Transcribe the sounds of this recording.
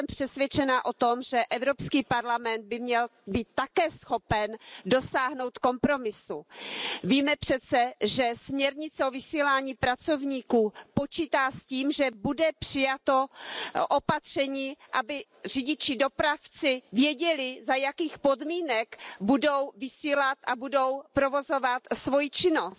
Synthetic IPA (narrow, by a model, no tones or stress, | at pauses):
ɛmpr̥ɛsvʲjɛt͡ʃɛnaʔo̞t̪o̞mʒɛʔɛvɾo̞pskiːpaɾlamɛnd̪̚bɪmɲɛlbiːt̪ːakɛːsxo̞pɛndo̞saːɦno̞wt̪ko̞mpɾo̞mɪsuviːmɛpr̥ɛt̪t͡sɛʒɛsmɲɛɾɲɪt͡sɛovɪsiːlaːɲiːpɾat͡so̞vɲiːkuːpo̞t͡ʃiːt̪aːsciːmʒɛbudɛpr̥ɪjat̪o̞ʔopat̪r̝̥ɛɲiːʔabɪ | r̝ɪɟɪt͡ʃɪdo̞pɾaft͡sɪvjɛɟɛlɪzajakiːxpo̞dmiːnɛkbudo̞wvɪsiːlat̪ʔabudo̞wpɾo̞vo̞zo̞vat̪svo̞jit͡ʃɪno̞st̪̚